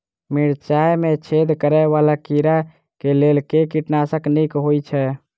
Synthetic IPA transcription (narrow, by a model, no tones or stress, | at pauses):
miɽt͡ʃajmet͡ʃʰed̪kəɾɛʋalakiɾa | kelelkekiʈnasəknikɦojt͡ʃʰɛ